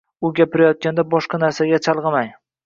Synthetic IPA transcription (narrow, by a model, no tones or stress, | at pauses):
ʊɡʲapɪɾajɒt̪̚kʲand̪abɒʃqɑnaɾsaɡʲat͡ʃʰɑlˠʁɨmaj